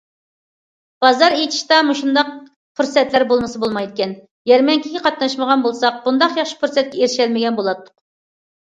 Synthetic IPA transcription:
b̥ɑzɑɾejt̪ʰi̥ʃt̪ɑmuʃund̪ɑq̚ | pʰuɾsɛt̪læɾbolˠmɨsɨbolˠmɑjd̪ɪkʲɛn | jɛɾmɛŋkʲʰiɡʲɛqʰɑt̪nɑʃməʁɑnbolˠsɑq̚b̥und̪ɑqjɑχʃi̥puɾsɛt̪̚kʲɛeɾʃɛlmɪɡʲɛnbolˠɑt̪ʰːʊ̥q

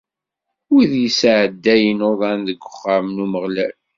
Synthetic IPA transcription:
uðjəsʕəd̪ːæjənoðˤɑnðəɡʷːʊ̥χːamnuməʁlæl

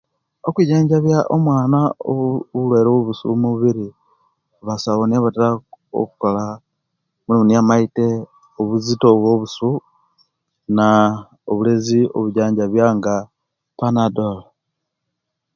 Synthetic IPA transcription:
okuɟaːɲɟaβjaʔomwaːnao̰βulwe̞ːɾowoβusṵmuβiɾi | βasaβoneβataɾao̰kukola | mulimuniamaite | oβuzito̞βwo̞βusu | na | oβulezio̰βuɟaːɲɟaβjaŋɡa | panadola

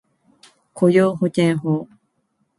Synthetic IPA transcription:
kʰojoːɦokʲẽɰɦoː

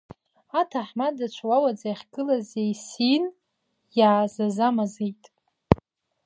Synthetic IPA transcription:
atʰaħmadat͡ʃʷʰwawad͡zajaχʲɡɨlazejsin | jaːzazamazejtʼ

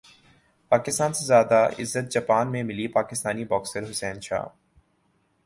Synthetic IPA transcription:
paːkɪst̪aːnsezjaːd̪aʔɪ̰zːət̪̚d͡ʒaːpaːnmẽmɪlipaːkɪst̪aːnibɔːksəɾɦʊsɛːnʃa̰ː

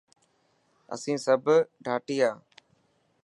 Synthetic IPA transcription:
ə̰sĩːsəbʱɖʱaːʈiːaː

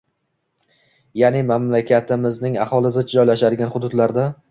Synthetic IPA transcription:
janɪmamlakʲʰat̪ɪmɪznɪŋahɒlˠɪsɪd͡ʒɒjlaʃad̪ɪɡʲanχʊd̪ʊd̪laɾd̪a

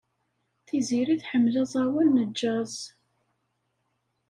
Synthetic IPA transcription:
θiziɾiθħəmːlæzˤɑwænːəd͡ʒːæz

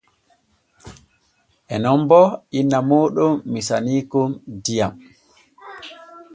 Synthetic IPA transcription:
ʔɛnɔmbɔinːamɔːɗɔːisaniːkumdijam

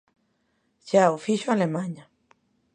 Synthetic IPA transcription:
ʃaofiʃoalemãɲa

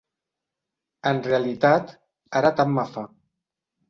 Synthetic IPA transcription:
ənrealit̪at̪ | aɾat̪amːafa

